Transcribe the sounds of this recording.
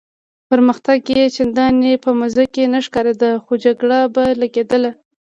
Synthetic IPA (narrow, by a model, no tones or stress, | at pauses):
pəɾməxt̪aɡjet͡ʃɪnd̪ɑnepəmazakenaʃkɑɾed̪əxod͡ʒaɡɽabalaɡed̪əla